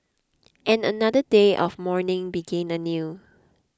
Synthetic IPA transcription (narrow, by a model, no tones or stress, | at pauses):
ʔɛ̃nənadədeʔɔfmɔɹnɪ̃ŋbiɡɛ̃nənju